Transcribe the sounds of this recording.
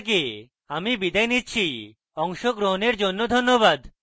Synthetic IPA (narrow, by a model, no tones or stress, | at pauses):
k̬e | amibid̪ajnitːt͡ɕʰi | ɔŋʃoɡɾoɦoneɾd͡ʑonːod̪ʱonːoβad̪